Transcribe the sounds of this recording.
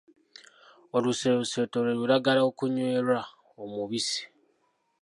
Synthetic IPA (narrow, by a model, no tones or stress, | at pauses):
o̞luseuse̞ːtoɾeɾuɾaɡalaokuɲweːɾa | omuβisi̥